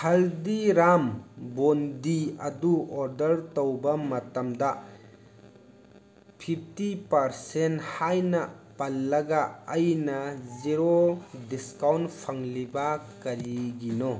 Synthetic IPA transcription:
hɐldiɾambondiɐ̰duɔɾdɐɾtowbɐmɐtɐmdɐ | pʰip̚ʰtipɐɾsenthajnɐpɐlːɐɡaːjnɐziɾodiskawntpʰɐŋlibɐkɐɾiɡino

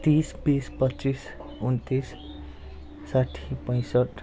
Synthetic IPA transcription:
t̪isbispʌtːt͡sis | unt̪is | saʈʰi̥pʌj̃sʌʈ

